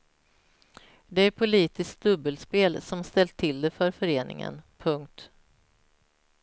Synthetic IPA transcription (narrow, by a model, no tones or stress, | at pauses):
d̪ɛæɾpʰʊliːt̪ɪskt̪̚d̪ɵbːəlspeːlsɔmst̪ɛlt̪ʰːɪld̪ɛfœɾfœɾeːnʔɪ̰ŋə̰npʰɵŋk̚t̪